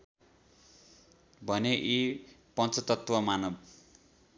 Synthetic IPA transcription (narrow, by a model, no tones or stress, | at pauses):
bʱʌneʔipʌnt͡sʌt̪ʌt̪wʌmanʌb